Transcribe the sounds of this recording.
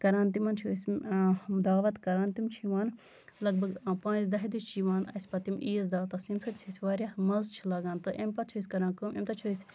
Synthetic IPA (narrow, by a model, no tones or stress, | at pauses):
kɐɾaːnt̪imɐnt͡ʃʰuːsʲmd̪aːʋɐt̪kɐɾaːnt̪imt͡ʃʰiʋaːn | lɐɡ̚bɐɡpãːnzd̪ɐɦid̪it͡ʃʲt͡ʃʰiʋaːnɐ̰sʲpɐt̪imʔiːzd̪aːʋt̪ɐsimsɐt̪t͡ʃʰisʲʋaːɾjamɐzt͡ʃʰilɐɡaːnt̪ɨʔempɐt͡ʃʰoisʲkɐɾãːnkumḛmt̪ɐt͡ʃʰoːisʲ